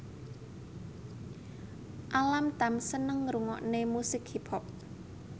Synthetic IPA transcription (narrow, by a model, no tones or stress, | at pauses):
ʔalamt̪amsənəŋɾuŋɔ̰ʔnemusɪkhiphɔp̚